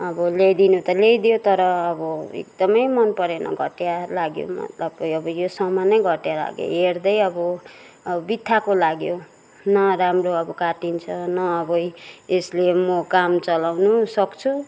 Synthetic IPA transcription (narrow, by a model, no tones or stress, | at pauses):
ʌbʌlejd̪inut̪ʌlejd̪jot̪ʌɾʌːbʌḛk̚d̪ʌmʌjmʌnpʌɾenʌ̰ɡʱʌʈjalaɡjo̰mʌ̰t̪lapːʌjʌbʌjosʌmanʌjɡʱʌʈjala̰ɡjo̰ɦerd̪ʌjʌbʌ | bit̪ʰːakolaɡjo | nʌramroʌbʌkaʈint͡sʰʌnʌːbʌjeslemʌkamt͡sʌlawnusʌkt͡sʰu